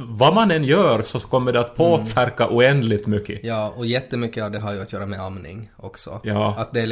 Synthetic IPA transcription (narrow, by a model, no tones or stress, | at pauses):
vamanɛnjœːɾsɔkʰɔmːəɖɛat̪pʰoːfæɾkaʔuːɛnd̪lɪɡ̚t̪mʏkːəjɑːɔjɛt̪ːəmʏkːəavd̪ɛɦaɾjɵat̪jœːɾamɛamnɪ̰ŋʔɔksɔ̰jɑːat̪̚d̪ɛ